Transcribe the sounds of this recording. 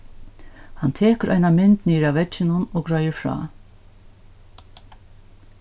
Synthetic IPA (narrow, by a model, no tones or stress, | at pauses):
hant̪ʰeːkəɾʔa̰jnamɪnt̪niːɾaʋɛt͡ʃɪnʊnɔɡɾœjɪɹfɹɑ̰ː